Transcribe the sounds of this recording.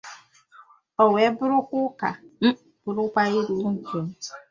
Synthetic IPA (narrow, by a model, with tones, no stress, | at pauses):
ɔ˨we˨˦bʊ˦ɾʊ˦kʷʊ˦ka̰˨˦˨ | b̥ʊ˨ɾʊ˦kʷa˦i˦ɾu˨˦ŋ̩˨ke˦m̩˦